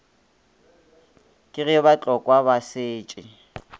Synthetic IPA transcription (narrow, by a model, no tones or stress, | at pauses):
kʼɪɣɪbat͡ɬʼɔkʼwabasɪːt͡ʃʼɪ